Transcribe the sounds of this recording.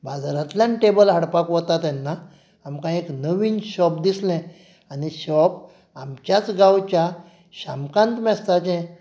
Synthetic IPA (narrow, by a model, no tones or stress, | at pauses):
bad͡zɾãt̪ljãnʈebəlɦaɽpakʋət̪at̪ɛnːaː | mkãeknəʋiːnɕɔpd̪islɛ̃ | aniɕɔp | amt͡ɕjat͡sɡawt͡ɕja | ɕamkãnt̪mɛst̪at͡ɕɛ̃